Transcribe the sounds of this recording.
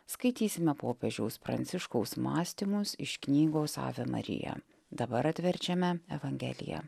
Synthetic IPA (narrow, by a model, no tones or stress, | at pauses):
skɐɪt̪ʲiːsʲɪmʲɛpoːpʲɛʒʲɛʊspɾɐ̰nt̪sʲɪʃkoʊsmɑːsʲt̪ʲimʊsɪ̰ʃknʲiːɡoːsɑ̰ːʋʲɛmɐ̰ɾʲɪ̰jɛ̰ | d̪ɐbɐɾɐt̪ʲʋʲɛɾʲt͡ʃʲɛmʲɛɛʋɐŋʲɡʲɛ̰lʲɪ̰jɛ̰